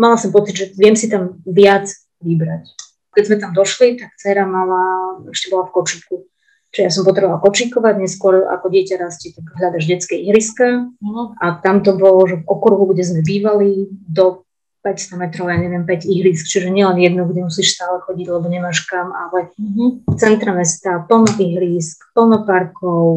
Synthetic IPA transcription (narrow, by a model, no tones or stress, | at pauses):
malasɔmpɔt͡sid̪ʒɛʋɪɛmsit̪amʋɪad͡z | ʋibɾac | kɛzmɛt̪amd̪ɔʃlit̪ak̚t͡sɛɾamalaɛʃcɛbɔlafkɔt͡ʃiku | t͡ʃʒɛjas̬ɔmpɔt̪ɾɛbɔʋalkɔt͡ʃikɔʋaɟɲɛskʊɔɾa̰kɔɟɪɛcaɾascit̪aɡɦʎad̪aʒɟɛt͡skɛiɦɾiskaʔat̪amt̪ɔbɔlɔʒɛvɔkɔɾɦuɡɟɛzmɛbiːʋalid̪ɔ | pɛcst̪ɔmɛt̪ɾɔʊjaːɲɛʋɪɛmpɛɟiɦɾiːskt͡ʃiʒɛɲɪɛlɛnjɛd̪nuɡɟɛmusiːʃst̪aːlɛxɔɟiɟlɛbɔɲɛmaːʃkamalɛ | t͡sɛnt̪ɾamɛst̪apl̩nɔʔiɦɾiːskpl̩ˠnɔpaɾkɔʊ